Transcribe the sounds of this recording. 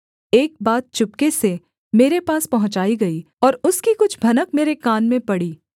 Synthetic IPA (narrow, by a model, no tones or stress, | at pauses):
eːk̚baːt̪̚t͡ʃʊp̚kese | meːɾepaːspɐɦʊ̃t͡ʃaːiɡɐiː | ɔːɾʊskikʊt͡ʃʰbʱɐnəkmeːɾekaːnmẽpɐɽiː